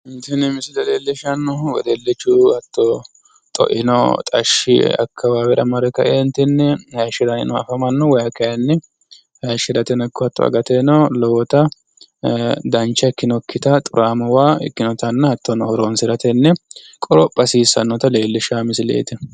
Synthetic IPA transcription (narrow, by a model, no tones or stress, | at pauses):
ɪnt̪ɪnɪmɪsɪlɐleːlːɪʃɐnːɔwɔ̰d̪elːɪt͡ʃːuhɐt̪ːɔ | t̪ʼɔ̰ʔɪ̰nɔ̰t̪ʼɐʃɪ̰ɐ̰kʰːɐwaːbɛɾɐmɐɾɛkːɐʔent̪ːɪnːɛhɐʃɪɾɐnɪ̰nɔɐ̰fɐmɐnːɔwɐjɐkɐjɐnːɛ | hɐjʃɪd̪ɐt̪ɛnɔkːɔɐt̪ːɔ̰ɐ̰ɡɐt̪enɔlɔwɔt̪ɐ | d̪ɐnt͡ʃːɐkːɪnɔkːɪt̪ɐt̪ʼʊɾʔaːmɐwaːɪ̰kːɪnɔt̪ɐnːɐhɐt̪ːɔnɔhɔɾoːnsɪɾɐt̪ɛnːɛ | kʼɔɾɔpʼːɐsiːsɐ̰nːɔt̪ɐle̞ːlːɪʃaːmɪsɪlḛːt̪ɛ